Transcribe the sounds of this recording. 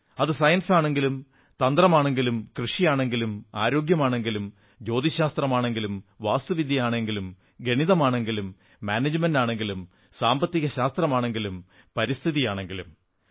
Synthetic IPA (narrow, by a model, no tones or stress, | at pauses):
ɐðɨsɐjɐnsaːɳe̞ŋɡilum | t̪ɐnd̪rɐmaːɳe̞ŋɡilumkrɨʂijaːɳe̞ŋɡilumaːɾo̞ːɡjɐmaːɳe̞ŋɡilum | d͡ʑo̞ːd̪iɕaːst̪rɐmaːɳe̞ŋɡilumʋaːst̪uʋid̪ʱjijaːɳe̞ŋɡilum | ɡe̞ɳiðɐmaːɳe̞ŋɡilumː | aːned͡ʑmɐndaːɳe̞ŋɡilum | saːmbɐt̪ːiɣɐɕaːst̪rɐmaːɳe̞ŋɡilum | pɐɾist̪ʰiðijaːɳe̞ŋɡilum